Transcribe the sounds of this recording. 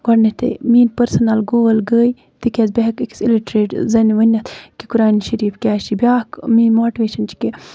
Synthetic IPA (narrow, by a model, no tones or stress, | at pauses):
ɡɐɽnet̪ʰḛmiːnpɐɾsɐnɐlɡoːlɡəːj | t̪ikʲʰezbeɦɐkiksiliʈɾeːʈzɐnʋɐnʲɐt̪kikuɾaːniʃɐɾiːfkʲaːʃibʲaːkmiːmoːʈiʋeːʃɐnt͡ʃʰi̥ke